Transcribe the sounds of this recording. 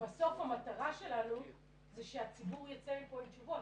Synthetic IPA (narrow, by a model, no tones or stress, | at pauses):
baso̞fhamataʁaʃe̞lanu | zeʃeat͡sibuʁjat͡seikoilt͡ʃuvo̞t